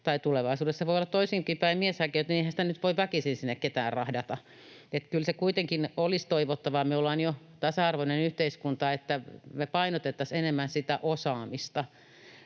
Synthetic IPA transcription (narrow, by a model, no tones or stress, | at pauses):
t̪ɑit̪uleʋɑisuːdessɑʋoˑijolːɑt̪toisiːmpiːpæimmieshækeyt̪nieihænsi̥t̪ænyt̪ʋoiʋʋækisinsinːekket̪æːrrɑhdɑt̪ɑ | et̪kylsekuit̪eŋkinolist̪oiʋot̪ːɑʋɑmyolːɑːnjo | t̪ɑsɑɑrʋonenyht̪eiskunt̪ɑet̪ːæmepɑinot̪et̪ːɑsenemːænsit̪æ̰ʔosɑːmist̪ɑ